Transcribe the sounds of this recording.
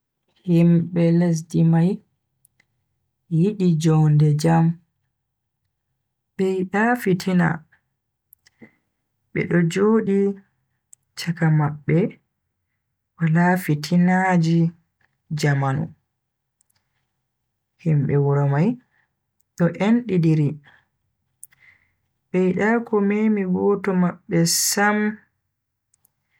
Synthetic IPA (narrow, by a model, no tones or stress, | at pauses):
himɓɛles̬dimaj | jiɗid͡ʒɔndɛd͡ʒam | ɓɛiɗafitʰina̰ | ɓɛ̰ɗɔd͡ʒoːɗi | t͡ʃakamaɓːɛ | walafitʰinad͡ʒi | d͡ʒamanṵ | himɓɛwuɾamaj | ɗɔʔenɗidiɾi | ɓɛjiɗakɔmemiɡɔtɔmaɓːɛsam